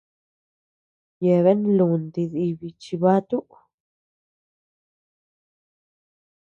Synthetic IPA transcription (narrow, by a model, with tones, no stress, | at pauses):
je˨βe˦nlu˨nd̪i˧zi˧bi˨t͡ʃi˧ba˦t̪u˦